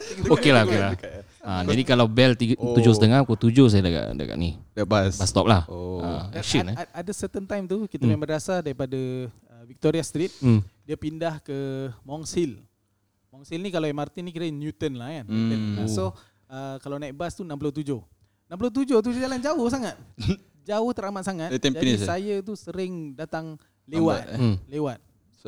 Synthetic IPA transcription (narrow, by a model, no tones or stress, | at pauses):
okelaɦokela | əd͡ʒadikalawbɛlt̪it̪ud͡ʒosətəŋakut̪ud͡ʒos̬ajadəɡa̰ʔdə̰ɡa̰ʔnḭd̚basbast̪ɔp̚lahoə̰kʃiəaadəsət̪ənt̪ajmt̪ukit̪amɛmədasadaɾipada | əvik̚t̪oɾiast̪ɾit̪̚diapindahkəmɔŋsil | mɔŋsilnikalawamart̪inikiɾəjnjut̪ənlahkanənoso | əkalawnaibast̪unamp̬uloht̪ud͡ʒoh | nãmp̬lot̪̬ud͡ʒoht̪̬ud͡ʒaland͡ʒaʊhsaŋat̪̚ | d͡ʒaʊht̪əɾamat̪̚saŋat̪t̪ad͡ʒadsajət̪̬usəɾɪŋdat̪aŋ | lewat̪lewat̪̚